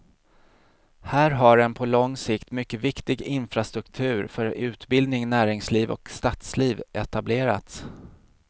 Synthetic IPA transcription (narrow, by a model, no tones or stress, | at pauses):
hæːɾɦaɖɛnpʰɔlɔŋːsɪkt̪mʏkːəvɪkt̪ɪɡɪnfɾast̪ɾɵkt̪ʰʉ̟ːɾfœɾʉ̟ːt̪bɪld̪nɪŋnæːɾɪŋsliːvɔ̰kst̪at̪sliːvʔɛt̪ableːɾa̰t̪s